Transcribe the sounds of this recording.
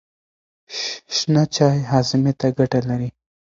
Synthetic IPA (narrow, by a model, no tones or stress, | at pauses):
ʃʃnat͡ʃɑjɦɑzɪmet̪aɡaʈalaɾi